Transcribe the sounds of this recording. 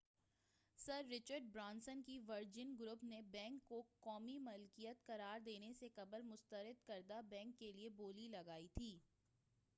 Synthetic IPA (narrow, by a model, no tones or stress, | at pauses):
sɐɾːɪt͡ʃəɾɖ̚bɾãːnsənkiʋɐɾd͡ʒɪnɡɾʊpnebɛ̃ːŋkːokɔːmimʊlkijət̪kɐɾaːɾd̪eːnesekɐbəɾmʊst̪əɾɪd̪kɐɾd̪abɛ̃ːŋkːelieboːlilɐɡaːit̪ʰiː